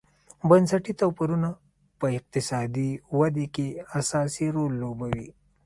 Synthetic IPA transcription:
bansaʈit̪awpiɾuna | pəɪq̚t̪ɪsɑd̪iwad̪ekeasɑsiɾolːobawḭ

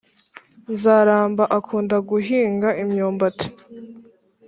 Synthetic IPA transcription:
nzaːɾaːmbaʔakʰuːndaɡuɦiːŋɡaʔimɲoːmbatʰe̥

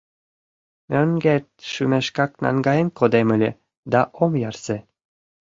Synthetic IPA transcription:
møŋɡet̪̚ʃymeʃkɑknɑ̰ŋɡɑjenkod̪emɘ̆lʲe | d̪ɑʔomjɑrse

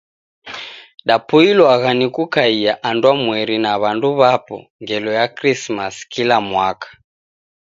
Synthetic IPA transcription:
ɗapuilwaɣanikukaijaʔandwamwɛɾinaβanduβapɔ̰ŋɡɛlɔjakrismaskilamwakḁ

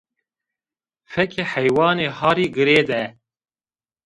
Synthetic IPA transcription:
fɛkʰeːħɛjwɑːneːhɑːɾiːɡɨɾeːd̪ɛ

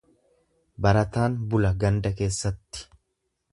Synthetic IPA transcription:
bɐɾɐt̪aːnbʊlɐɡɐnd̪ɐke̞ːsːɐt̪ːɪ̥

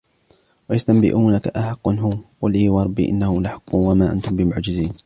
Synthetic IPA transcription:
wajast̪ambɪ̰ʔuːnakaʔaħɑqːʊnɦʊqʊliːwɑɾˤɑbːḭːʔɪ̰nːahʊmlaħɑqːʊnwamaːʔa̰nt̪ʊmbɪmʊʕd͡ʒɪziːn

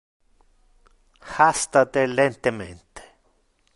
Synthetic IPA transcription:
hast̪at̪elent̪emḛnt̪e̥

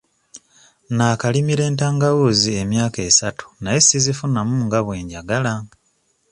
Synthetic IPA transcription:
nakalimiɾe̞ːntaːŋɡawuːzie̞mjaːke̞ːsatu̥naje̞sizifunamuːŋɡaβwe̞ːɲɟaɡala

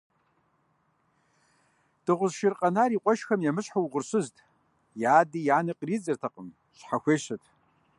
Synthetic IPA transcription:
d̥ɨʁʷʊzʃɪrqʼɐnaːɾiːqʷʼɔʃxɐmjɛmɨɕħawʁʷʊrɕɨztʰʼ | jaːdijaːnɐqriːt͡sʼɨrtʰɐqəm | ɕħaxʷeːɕɐtʰ

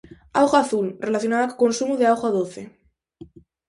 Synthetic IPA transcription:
awɣaaθulrelaθjo̞naðakkonsumuðeawɣoaðoθe

